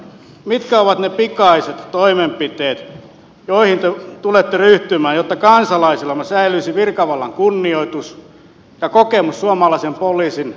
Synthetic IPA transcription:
mit̪kæoʋɑt̪nepikɑiset̪toimempit̪eːt̪ | joihint̪et̪ulet̪ːeryht̪ymæːjjot̪ːɑkɑnsɑlɑisilːɑmæsæilyisiʋirkɑʋɑlːɑŋkunːioit̪us | jɑkokemussuɑmɑlɑisempoliːsin

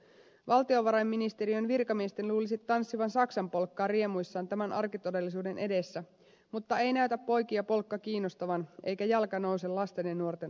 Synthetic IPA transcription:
ʋɑlt̪io̞ʋɑɾɑjmːinist̪e̞ɾiønʋirkɑmie̞st̪e̞nluːlisit̪ːɑnsːiʋɑnsɑksɑmpo̞lkːɑːrie̞mujsːɑːnt̪æmænʔɑrkit̪o̞de̞lːisuːde̞nʔedesːæ | mut̪ːɑe̞jnæyt̪æpːo̞jkiɑpo̞lkːɑkiːnːost̪ɑʋɑnʔe̞jkæjɑlkɑno̞wse̞lɑst̪enenːuo̞rt̪e̞n

